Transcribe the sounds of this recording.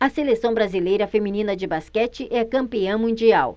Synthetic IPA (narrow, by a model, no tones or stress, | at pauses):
ɐselesɐ̃w̃bɾazilejɾɐfemĩnĩnɐd͡ʒɪbaskɛt͡ʃɪʔɛɐkɐ̃mpiɐ̃w̃mũd͡ʒiaw